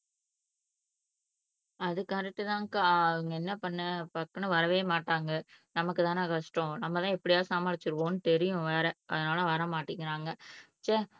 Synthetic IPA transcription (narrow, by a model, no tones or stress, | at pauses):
ɐðɯkːaːɾɛʈːɯt̪ãːŋkɯʋɐŋɡɐɛnːɐpɐɳːɐpɐkːɐnɐʋɐɾɐʋeːmaːʈːaːŋɡɐnɐmɐkːɯt̪ãːnakɐʂʈɔ̃nɐmːɐt̪ãːɛpːɐɽɪjaːsaːmaːɭɪt͡ʃːɯɾɯʋõːnɯt̪ɛɾɪjʊ̃ʋeːɾɐʔɐðɐnaːlɐʋɐɾɐmaːʈːɪŋɪɾaːŋɡɐ | t͡ʃeː